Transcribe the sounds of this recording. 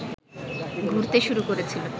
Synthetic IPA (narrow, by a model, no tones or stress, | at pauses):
ɡʱuɾt̪eʃuɾukoɾet͡ɕʰilo